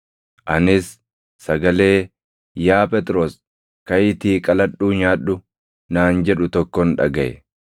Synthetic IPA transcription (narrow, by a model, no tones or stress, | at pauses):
ʔɐnɪsː | ɐɡɐle̞ː | jaːpʼɛt̪ʼɾoːs | kɐjɪt̪iːkʼɐlɐɗuːɲaːᶑʊ | naːnd͡ʒɛᶑʊt̪ɔkːɔnᶑɐ̰ɡɐʔɛ̰